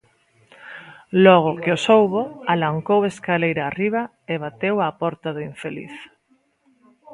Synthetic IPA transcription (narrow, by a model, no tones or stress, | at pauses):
lɔɣ̞ʊkeosowβoalaŋkoweskalejɾaːriβ̞a | eβat̪ewapɔɾt̪aðʊiɱfelḭθ